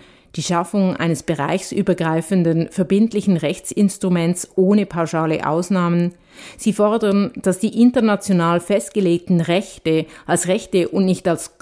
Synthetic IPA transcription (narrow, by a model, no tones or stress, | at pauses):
d̥iːʃafʊŋʔa̰ɪnəsb̥əʁa̰ɪçsʔyːbɐɡʁaɪfəndənfɛɐbɪntlɪçn̩ʁɛçt͡sɪnstʁ̥umɛnt͡ssʔoːnəpʰaʊʃaːlə̰ʔa̰ʊsnaːmən | z̥iːfɔɐdəʁnd̥asd̥iːʔɪntɐnat͡sjonaːlfɛst̚ɡ̥əleːk̚tn̩ʁɛçtəʔalsʁɛçtəʔʊntnɪçtals